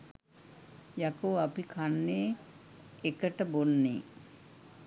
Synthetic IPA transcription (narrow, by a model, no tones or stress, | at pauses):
jakoːapikʰanːeː | ekəʈəbonːeː